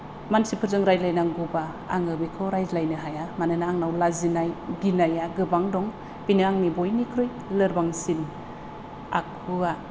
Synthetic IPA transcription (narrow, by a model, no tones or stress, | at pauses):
mansipʰɯɾzɯŋɾajlajnaŋɡuba | aŋɯbikʰɔɾajzlajnɯɦajamanɯnaːŋnawlazinajɡinajaɡɯbaŋdɔŋ | pinɯaŋnibojnikʰɾɯj | lɯɾbaŋsin | a̰kʰɯa